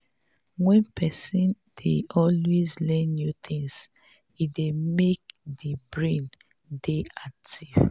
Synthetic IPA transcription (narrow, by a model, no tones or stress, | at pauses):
wɛ̃npʰɛsĩn | d̥eɔlwezlɛ̃nːjut̪ʰĩŋs | idemek̚dibɹẽn | deak̚tʰiv